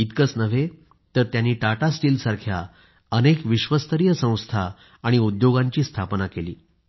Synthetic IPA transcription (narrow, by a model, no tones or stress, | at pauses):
it̪kət͡snəʋe | t̪əɾt̪janːiːʈaʈasʈiːlsaɾkʰja | ənekʋiɕʋəst̪əɾijəsə̃w̃st̪ʰaː | ɽ̃iud̪joɡaɲt͡ɕiːst̪ʰapnakeliː